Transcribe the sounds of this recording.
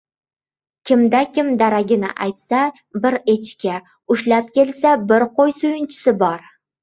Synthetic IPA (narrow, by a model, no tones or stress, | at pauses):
kʲʰɪmd̪akʲʰɪmd̪aɾaɡʲɪnɪ̰ʔajt̪sa | bɪɾet͡ʃkʲa | ʊʃlap̚kʲe̞lsabɪɾqojsʊjʊnt͡ʃʰɪ̥sɪbɒɾ